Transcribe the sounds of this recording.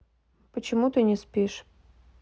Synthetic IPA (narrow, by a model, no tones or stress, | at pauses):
pət͡ɕɪmut̪ɨnʲɪspʲiʂ